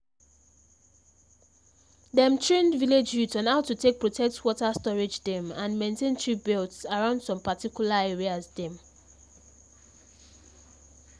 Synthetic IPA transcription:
dɛ̃mtʰɹẽndviled͡ʒjutsãnaʊtːutʰek̚pɹotʰɛk̚twɔtastɔɹed͡ʒdɛ̃mãnmẽntʰẽntʰɹibɛltsaɹãʊ̃nd̥sɔ̃mpatikjulaɛɹiazdɛ̃m

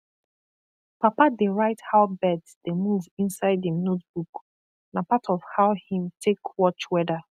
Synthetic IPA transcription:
papadeɹaɪthaʊbɛdsd̥emuvĩnsaɪdinot̚b̥uk | napatʰɔvhaʊhĩmtʰekwɔt͡ʃwɛdə

